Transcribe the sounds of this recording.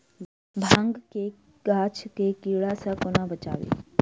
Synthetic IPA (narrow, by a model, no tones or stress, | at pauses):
bʱãŋɡke | ɡaːt͡ʃʰkekiːɭasãkonãbət͡ʃa̰ːʋḛ